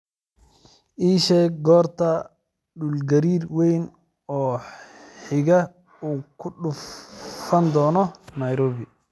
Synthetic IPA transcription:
ʔiːʃɛɡɔːrt̪ʰɐ | ɖʊlɡɐɾiːrwɛjn | ɔː | ħɪɣɐ | uːkʰʊɗʊffɐnd̪ɔːnɔnɐjɾɔːβɪ

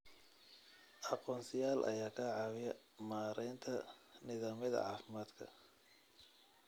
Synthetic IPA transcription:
ʔɑqɔːnsɪjaːlʔɐ̰jaːkʰaːʕɑwɪjɐ | maːɾɛjnt̪ʰɐnɪðaːmjɐðɐ̰ʕɑːfɪmaːd̪kʰɐ̰

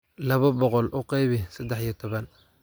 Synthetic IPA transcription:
lɐβɐbɔqɔlʔʊqɑjβɪsɐd̪ɛħijɞt̪ʰɔβɐn

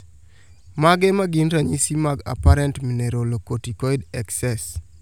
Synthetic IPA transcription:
maɡɛmaɡinɾaɲisimaɡa̰paɾɛntmineɾolokotikɔidɛksɛs

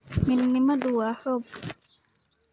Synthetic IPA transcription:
minːimaɗuwahɔb

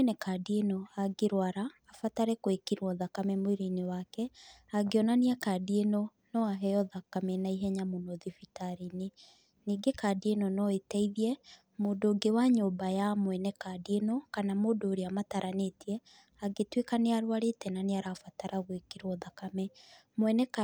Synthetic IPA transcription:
ɛnɛkadienɔaɡeɾwaɾaːfataɾɛkoekeɾwɔðakamɛmweɾinewakɛaɡeɔnaniakadienɔ | nɔaɦɛjɔðakamɛnaiɦɛɲamonɔðifitaɾine | niːɡekadienɔnɔetɛiðiɛ | moːdoːɡewaɲoːmbajamwɛnɛkadienɔkanamoːdoːɾeamataɾʔanetiɛ | aɡetwekaneaɾwaɾetɛnaneaɾaːfataɾaɣwekeɾwɔðakamɛ | mwɛnɛk

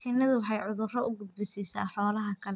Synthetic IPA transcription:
kʰinɐðʊwɑħɑjʕʊðʊrɔʊɡʊd̪̚bɪsisa̰ːħɔːlɐɦɐkʰɐl

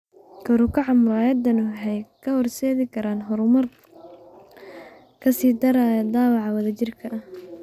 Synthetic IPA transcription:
kʰɐɾʊkʰɐʕɑmʊɾaːjɐd̪ɐnʊɦɛjkʰɐhɔrsɛːðɪkʰɐɾaːnɦɔɾʊmɐr | kʰɐsiːd̪ɐɾaːjɛd̪ɑːwɑʕɑwɐðɐt͡ʃɪrkʰɐʔɐh

